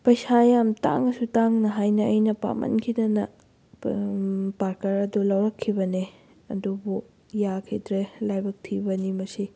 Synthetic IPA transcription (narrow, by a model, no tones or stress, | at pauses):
pɐjsajamta̰ŋɐsutaŋnɐɦajnɐəjnɐpa̰mʔɐ̰nkʰidɐnɐ | paɾkɐɾɐdulɐwɾɐkʰːibɐne | ɐ̰dubu | jakʰidɾelajbɐk̚tʰibɐnimɐsi